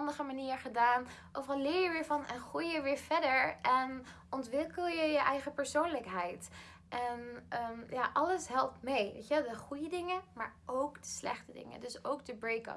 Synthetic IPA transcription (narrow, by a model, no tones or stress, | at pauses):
ndəχəmaniːɹχədaːnʔowvərɑlɪːɹjəʋɪːɹvɑnɛnχrujjəʋɪːɹv̥ɛdəɹɛn | ʔɔntʋɪkəlˠjəjəʔɛjχəpəɹsownləkɦɛjt | ʔɛnəmjaːʔɑləsɦɛlˠp̚tmejʋḛjtəʋˠdəχujədɪŋəma̰ːɹowkdə̥slɛ̰χtədɪ̰ŋə̰dɵsowk̚dəbɹejkə̰